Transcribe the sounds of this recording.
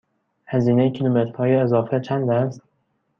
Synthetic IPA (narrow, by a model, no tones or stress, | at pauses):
hæziːnejecʲʰilumet̪ɾhɒːjeːzɒːfet͡ʃʰænd̪æst̪